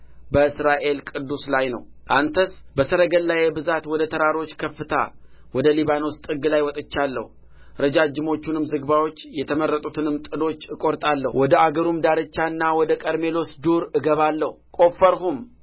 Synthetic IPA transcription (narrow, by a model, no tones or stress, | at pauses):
bəɨsɾaʔe̞lkʼɨd̪ːuslajnə̰wʔant̪ʰəsbəsəɾəɡəlːajebɨzat̪wɔd̪ət̪ʰəɾaɾo̞t͡ʃːkʰəfːɨt̪ʰa̰wɔd̪əliβano̞st̪ʼɨɡɨlajwɔt̪ʼɨt͡ʃːalːə̰hu | ɾəd͡ʒad͡ʒɪmo̞t͡ʃːunɨmzɨɡbawo̞t͡ʃːjɛt̪ʰəməɾːət̪ʼut̪ʰɨnɨmt̪ʼɨd̪o̞t͡ʃːɨkʼo̞ɾt̪ʼalːəhwʔɔd̪əaɡəɾumd̪aɾɨt͡ʃːanːawɔd̪əkʼəɾme̞lo̞sd̪uɾɨɡəβalːəhkʼo̞fːəɾɦum